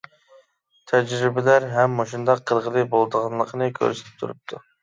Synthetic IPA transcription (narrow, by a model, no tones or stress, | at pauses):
t̪ʰɛd͡ʒɾɪbɪlæɾɦɛmːoʃund̪ɑqʰːəɾʁəlˠɨbolˠd̪əʁɑnlˠəqʰənɨkʲʰø̰ɾse̥t̪ʰɪ̥p̚t̪ʰṵɾup̚t̪ʰu